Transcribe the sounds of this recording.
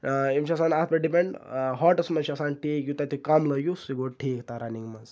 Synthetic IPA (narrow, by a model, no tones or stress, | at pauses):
emʃasanat̪̚bɐɖipẽɳɖɦɔʈɐsmɐʃasanʈʰikjut̪at̪ikamlɐɡjusiɡoʈʰikt̪aɾɐnĩŋmɐz